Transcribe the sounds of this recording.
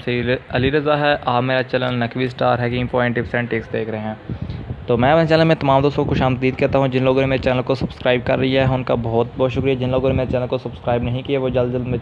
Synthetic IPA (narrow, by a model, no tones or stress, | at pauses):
sɐiɐliɾɐzaɦɛʔaːpmeːɾat͡ʃɐləlnɐkʰʋisʈaːɾɦɛkɪ̃ŋɡpɔ̃ːɪ̃ɳʈɪpʰɪ̥sɛ̃ːɳʈeːksd̪eːkʰɾɐɦeɦɛ̃ːt̪oːmɛ̃ːɐnet͡ʃɛːnləlmẽt̪ɐmaːmd̪oːst̪õkokoʃaːmt̪d̪iːd̪̚kɛɦt̪aɦũd͡ʒɪnloːɡõnemeːɾet͡ʃɛːnəlkosɐbskɾaːɪb̚kɐɾːɐɦiaɦɛʊnkabɔːt̪̚bɔːt̪ʃʊkɾijad͡ʒɪnloːɡõnemeːɾet͡ʃɛːnəlkosɐbskɾaːɪbnɐɦĩkiɛʋod͡ʒɐld̪d͡ʒɐld̪mẽ